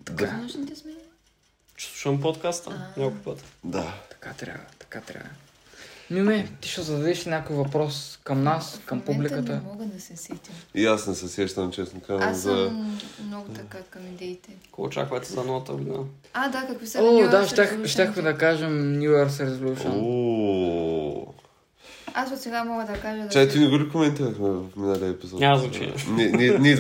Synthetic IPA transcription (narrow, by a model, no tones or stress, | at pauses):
d̪aɐʃnit̪ɛsmɛn | t͡ʃɛ̥sˠuʃɐmpot̪kast̪ənʲakʊipət̪d̪at̪ɐ̥ka̰t̪ɾʲa̰vvɐ̰t̪ɐ̥kat̪ɾʲa̰vɐ | miumɛt̪i̥ʃɛzɐd̪ɐd̪ɛʃnʲakojvɐpɾɔskɐmnaskɐmpublikət̪əmɔɡɐd̪ɐsɛsɛt̪iʃiasnɛsɛsɛʃt̪ɐmt͡ʃɛsnokazɐmzɐmnɔɡʊt̪ɐakɐmid̪ɛit̪ɛkot͡ʃa̰kvɐɛt̪ɛzɐnɔvˠɐt̪əɡʊd̪in | ad̪akɐkvisoaʃʲaxʃt̪ʲaxmɛd̪ɐkaʒɛmnʲjuɛɾsɾɛzolʲuʃno | asot̪sɛɡamɔɡəd̪ɐkaʒɐd̪t͡ʃat̪inɛɡubikomɛnt̪iɾɐxmɛvɐfminaliəɛpizɔnʲazt͡ʃɛ̰nɛnini